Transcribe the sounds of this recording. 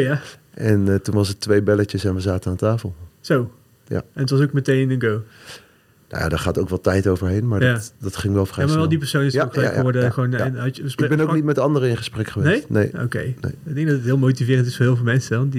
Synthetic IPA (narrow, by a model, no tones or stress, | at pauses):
aʔɛntunʋɑsətʋejbɛlət͡ʃəsɛnʋəzaːtənaːntaːfəlˠz̥ow | ja̰ɛnətʋɑs̬owk̚mətejnɪnənɡow | na̰ja̰ːdɔɹχaːtowkʋɛlˠtɛjtowvəɹɦejnmaːɹjadɑtχɪŋʋɛlˠfajaːmaɹʋɛlˠdipəɹsownɪsokχəlakχəʋɔɹdəxʋoːnɪnɦɑəsbɛnowknitmɛtɑndəɾəɪ̃nχəsprɛkχəʋenejnḛjo̰wkḛjnḛɪɡ̚dɛŋɡdɑtətɦɪːlˠmowtivɪːrəntɪsfoːɹɦɪːlˠvɪlˠmɛnsəɑndi